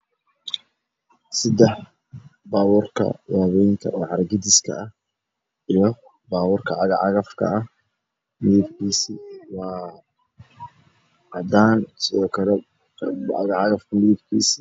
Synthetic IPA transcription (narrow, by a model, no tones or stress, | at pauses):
sɐd̪ɛħ | baːwuːrkʰɐ̰waːβɛjŋkʰɐ̰ʔɛːʕɑɾɡɪd̪ɪskʰɐ̰ʔɐh | ijɔ | baːwʊːrkʰɐʕɑɣɑʕɑɣɐfkʰɐ̰ɐh | mɪðɪb̚kʰiːsiwɑː | ɑd̪aːnsɪðɔːkʰɐlɛ | ɑ̰ɣɑʕɑɣɐfkʰɐmɪðɪb̚kʰiːsɪ̥